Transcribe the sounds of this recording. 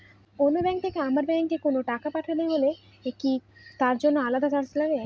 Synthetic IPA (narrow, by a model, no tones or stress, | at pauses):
onːobɛŋk̚t̪ʰekeamaɾbɛŋkekonoʈakapaʈʰaneɦole | ekit̪aɾd͡ʑonːoalad̪at͡ɕaɾsolaɡe